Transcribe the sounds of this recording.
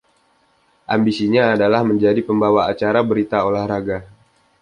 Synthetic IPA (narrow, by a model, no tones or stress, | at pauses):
ʔambisiɲaːdalahməɲd͡ʒadipəmbawaːt͡ʃaɾabəɾit̪aolahɾaɡa